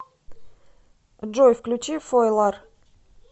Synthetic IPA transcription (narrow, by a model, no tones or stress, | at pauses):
d͡ʒojfklʲʉt͡ɕifojlˠɑr